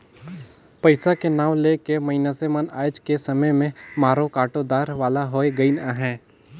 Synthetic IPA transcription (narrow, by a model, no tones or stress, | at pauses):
pɐɪsakenaːʋlekemɐɪnasemaːna̰ːjd͡ʒkesɐməjmẽmaːɾõkaːʈod̪aːɾʋaːlaɦoeɡɐinaɦɛ̃ː